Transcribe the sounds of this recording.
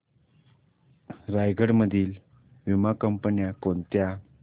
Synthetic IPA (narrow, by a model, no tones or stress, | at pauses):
ɾajɡʱəɽməd̪ʱiːl | ʋimakəmpənjakont̪ja